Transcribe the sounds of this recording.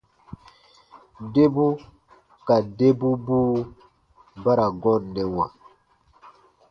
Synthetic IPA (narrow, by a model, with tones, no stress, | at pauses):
de˦bu˦ | ka˨de˦bu˦buː˦ | ba˦ɾa˨ɡɔ˦˨nːɛ˨wã̰˨